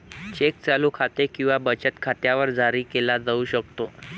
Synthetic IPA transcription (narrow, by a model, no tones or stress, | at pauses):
t͡ɕek̚t͡salukʰat̪ekĩw̃ʋabət͡ɕət̪kʰat̪jaʋəɾd͡zʱaɾiːkelad͡zəuɕək̚t̪o